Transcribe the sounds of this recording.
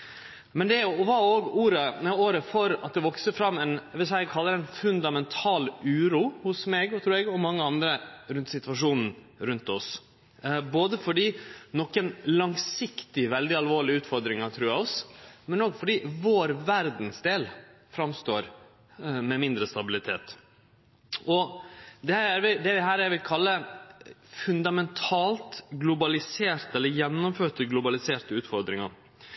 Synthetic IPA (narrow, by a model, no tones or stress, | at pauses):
mɛnd̪ɛæjʊʋɑoːɡuːɾəɛoːɾəfɔɾɑt̪̚d̪ɛʋɔksəfɾɑmːɛnʋɪsɛɪɛɡkʰhɑlːəɾɛɪnfʉnd̪ɑmɛnt̪ʰɑːlʉːɾuːhʊsmeːɡt̪ʰɾʉːɾɛɡɔmɑŋːəɑnd̪ɾəɾʉnt̪sɪt̪ʋɑʂuːnn̩ | ɾʉnt̪ɔs | boːd̪əfɔɖiːnɔkːənlɑŋsɪkt̪ɪʋɛld̪ɪɑlʋoːɭɪəʉːt̪fɔɾd̪ɾɪŋɑt̪ʰɾʉːjæɔsmɛnoːɡfɔɖiːʋoːɾʋæɾd̪nsd̪eːlfɾɑmst̪oːɾ | mɛmɪnd̪ɾəst̪ɑbɪlɪt̪ʰeːt̪ | ɔd̪ɛhæɾʋɪd̪ɛʋɪɦæːɾæɾʋɪlkʰɑlːə | fʉnd̪ɑmɛnt̪ʰɑːlt̪ɡlʊbɑlɪseːɾt̪əɛlːəɾjɛnːɔmføːʈəɡlʊbɑlɪseːʈəʉːt̪fɔɾd̪ɾɪŋɑɾ